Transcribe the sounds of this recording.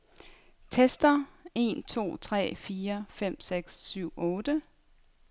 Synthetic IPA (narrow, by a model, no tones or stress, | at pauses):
t͡sʰesd̥ɐe̝̰ːnt͡sʰo̝̰ːt͡sʰʁɛ̰ːfiːɐfem̰seɡ̥sːyʊ̰ɔ̽ːd̥ə